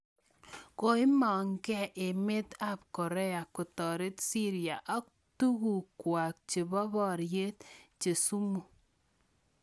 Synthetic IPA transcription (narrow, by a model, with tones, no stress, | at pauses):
ko˨i˦ma˨ŋkɛ˦ʔe˨me˦ta˦˨p̚kɔ˨ɾe˦a˨ku˨tɔ˨ɾi˦tsi˦ɾja˨ʔa˦k̚ | tu˦ɡu˨kwa˨k̚t͡ʃe˨bɔ˦bɔ˦ɾje˦tt͡ʃe˨su˦mu˨